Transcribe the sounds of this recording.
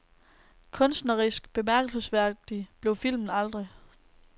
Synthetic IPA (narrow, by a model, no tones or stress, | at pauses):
kʰɔ̽nsd̥nɐʁisɡ̥b̥e̝mæɐɡ̥əl̩səsʋæɐ̰d̥ib̥le̝ʊfil̰mn̩ɑld̥ʁi